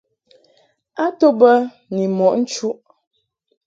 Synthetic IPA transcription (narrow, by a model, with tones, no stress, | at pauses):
a˦to˦bə˦ | ni˨mɔ˨ʔn̩˦t͡ʃu˦ʔ